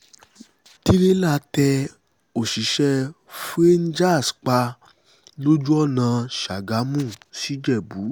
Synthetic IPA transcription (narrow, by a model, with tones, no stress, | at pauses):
ti˦ɾe˦la˦˨tɛ˧ | o˨ʃi˨˦ʃɛ˧ | fe˦n̩˦d͡ʒa˦˨sk͡pa˧ | lo˦d͡ʒu˦ɔ˦˨nã˧ʃa˨ɡa˨˦mũ˦˨si˦d͡ʒɛ˦˨bu˨˦